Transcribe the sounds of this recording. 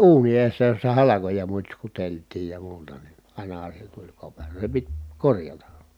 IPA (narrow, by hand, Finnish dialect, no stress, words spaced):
ʔuːni eːsːæ josːɑ hɑlɑkojɑ mutsʲkuteltˑiːj jɑ muːtɑ ni ɑˑinɑhɑ se tulʲ kopero se pit korjɑtɑ